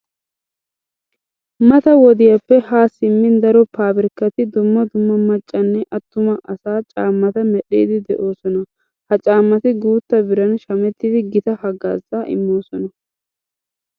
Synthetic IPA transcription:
mɐt̪ɐwɔd̪ɪjɐpːɛhaːsɪmːɪnd̪ɐɾɔpaːbɪɾɪkːɐt̪ɪd̪ʊmːɐd̪ʊmːɐmɐt͡ʃʼːɐnːɛʔɐt̪ːʊmɐʔɐsaːt͡ʃʼaːmːɐt̪ɐmɛɗḛːd̪ɪd̪ɛʔo̞ːsɔnɐ | hɐt͡ʃʼaːmːɐt̪ɪɡuːt̪ːɐbɪɾɐnʃɐmɛt̪ːɪd̪ɪɡɪt̪ɐhɐɡa̰ːzaːʔɪ̰mːo̞ːsɔnɐ

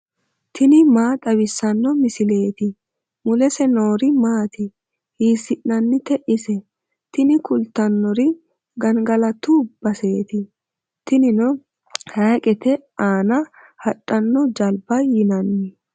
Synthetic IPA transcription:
t̪ʰɪnɪmaːt̪ʼɐwɪsːɐnːɔmɪsɪle̞ːt̪ɪ | mʊlɛsɛno̞ːɾɪmaːt̪ɪ | hiːsɪʔnɐnːɪt̪ɛʔɪsɛ | t̪ɪnɪkʊlt̪ɐnːɔɾɪ | ɡɐnɡɐlɐt̪ub̥ɐse̞ːt̪ɪ | t̪ɪnɪnɔ | hɐjkʼɛt̪ɛaːnɐ | hɐᶑʼːɐnːɔd͡ʒɐlbɐjɪnɐnːɪ

